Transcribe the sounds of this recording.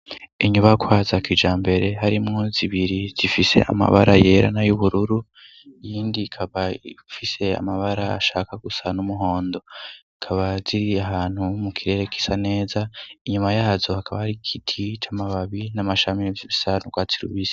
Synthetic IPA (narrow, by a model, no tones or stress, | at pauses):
iɲuβakʰwaːzakid͡ʒaːmbe̞ɾe̞ɦaɾimŋo̞ziβiɾiz̥ifise̞̰ʔa̰ma̰βa̰ɾaje̞ːɾa̰najuβuɾuɾu | jiːndikʰaβaifise̞a̰maβaɾaa̰ʃaːkaɡusanumuɦo̞ːndo̞ikʰaβaziɾiaɦaːn̥humukʰiɾe̞ːɾe̞ki̥sane̞ːzaiɲumajaːzohakʰaβahaɾikʰitʰit͡ʃamaβaβinamaʃamievjiβisanuɡwaːt͡siɾṵβize